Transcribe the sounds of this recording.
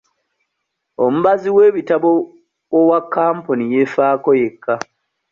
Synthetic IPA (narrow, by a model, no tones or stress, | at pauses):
omuβaziwe̞ːβitaβo | owakʰːaːmpunijefaːkoje̞kʰːa